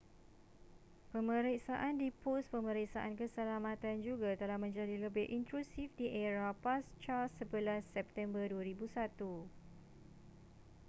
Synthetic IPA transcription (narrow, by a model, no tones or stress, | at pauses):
pəmə̃ɾiksaʔandipʊspəmə̃ɾik̚saʔankəsəlamãt̪and͡ʒuɡat̪əlahmə̃ɲd͡ʒadiləbɪhʔint̪ɾusifdiʔɛɾapast͡ʃasːəbəlasːɛp̚t̪ɛmbərduaɾibusat̪u